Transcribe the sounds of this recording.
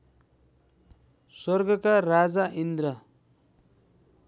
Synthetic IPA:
swʌrɡʌkarad͡zaʔind̪ɾʌ

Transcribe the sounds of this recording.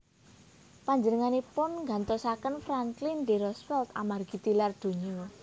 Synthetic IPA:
paɲd͡ʒənəŋanepʊnŋɡant̪osakənfɾaŋklɪnd̪eɾɔsfɛlt̪amarɡit̪ilard̪̥o̤ɲio

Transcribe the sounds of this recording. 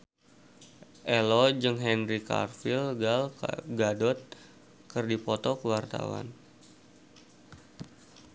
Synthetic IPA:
ʔɛlɔd͡ʒəŋɦɛnrika̰rfilalɡadɔt̪̚ | kərdipɔt̪ɔkəwart̪a̰wa̰n

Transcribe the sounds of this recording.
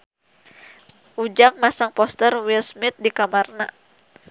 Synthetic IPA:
ʔud͡ʒaŋmasaŋpɔst̪ərwilsmit̪̚dikamarna

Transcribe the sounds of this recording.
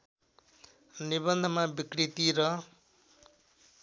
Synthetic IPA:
nibʌnd̪ʱʌmabikɽit̪iɾʌ

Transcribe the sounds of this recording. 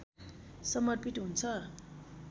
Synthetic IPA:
sʌmʌrpiʈɦunt͡sʰʌ

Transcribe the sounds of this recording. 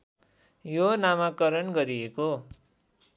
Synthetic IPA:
jonamakʌɾʌnɡʌɾieko

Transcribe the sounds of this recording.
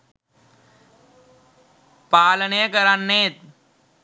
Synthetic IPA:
paːləneːkəɾanːeːt̪̚

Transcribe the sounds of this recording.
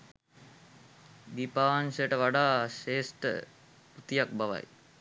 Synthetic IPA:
d̪ipaːʋansəjəʈəʋaɖaːʃeːsʈə̰ | put̪ijak̚baʋa̰j

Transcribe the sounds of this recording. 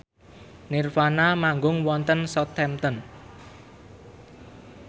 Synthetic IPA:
nirfanamaŋɡʊŋwɔnt̪ənsɔt̪ʰɛmt̪ən

